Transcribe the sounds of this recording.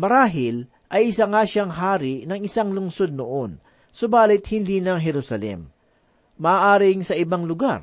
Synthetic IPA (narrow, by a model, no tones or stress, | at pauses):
mɐɾaːɦɪl | ʔɐjʔɪsaŋaʃaŋɦaːɾɪʔnɐŋɪsaŋlʊŋso̞d̪̚noʔon | sobaːlɪt̪̚hɪnd̪iːnɐŋɦɛɾusɐlɛ̰mː | ɐʔːʔaːɾɪŋsɐʔɪbaŋlʊɡaɾ